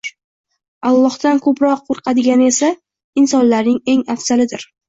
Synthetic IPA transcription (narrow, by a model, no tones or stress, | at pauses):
alˠːɒhd̪̥ankʰɵpɾɒqːoɾqʰɑd̪ɪɡʲanɪe̞sa | ɪnsɒnlaɾnɪŋe̞ŋafsalɪd̪ɪɾ